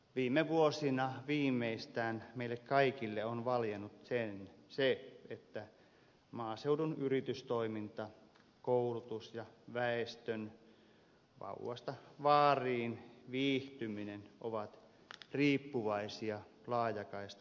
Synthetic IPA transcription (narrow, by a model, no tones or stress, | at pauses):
ʋiːmːeʋuosinɑʋiːmːˑeist̪æːnmeilːekkɑikilːeonʋɑljenut̪senseet̪ːæ | mɑːseudunyrit̪yst̪oimint̪ɑ | koulut̪usjɑʋæest̪øn | ʋɑ̰uwɑ̰st̪ɑʋɑːriːnʋiːht̪yminenʔoʋɑt̪ | riːpːuʋɑisiɑ | lɑːjɑkɑist̪